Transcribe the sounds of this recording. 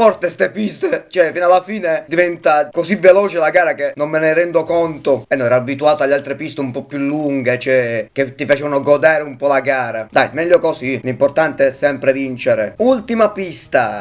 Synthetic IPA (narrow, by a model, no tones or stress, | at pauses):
fɔrt̪est̪epist̪et͡ʃɛfinalːafiːned̪ivɛnt̪akosivelɔːt͡ʃelaɡaːɾakenːommːeneɾɛnd̪okɔnt̪oɛnːɔnɛːɾaːbit̪uaːt̪oaʎːalt̪ɾepist̪eumpɔpːjulːuŋɡet͡ʃɛk̟et̪ːifat͡ʃɛːvanoɡɔd̪aːɾeumpɔlaɡaːɾad̪a̰jmɛʎːokosilimport̪ant̪eɛsːɛmpɾevint͡ʃeɾeult̪imapist̪a̰